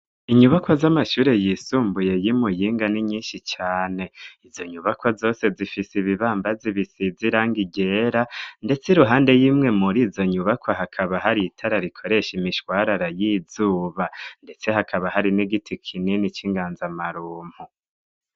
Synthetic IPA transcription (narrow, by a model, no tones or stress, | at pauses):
iɲuβakwazamaʃuːɾe̞jisuːmbuje̞jimujiːŋɡaniɲiːnʃit͡ʃaːne̞izo̞ɲuβakwazo̞ːse̞zifisiβiβaːmbaziβisiziɾaːŋɡiɟeːɾande̞t͡siɾuɦaːnde̞jiːmŋe̞muɾiːzo̞ɲuβakwaɦakʰaβaɦaɾitʰaɾaɾikʰo̞ɾe̞ʃimiʃwaɾaɾajiz̥uːβande̞t͡se̞hakʰaβahaɾiniɡitʰikʰininit͡ʃiŋɡaːnzamaɾuːm̥hu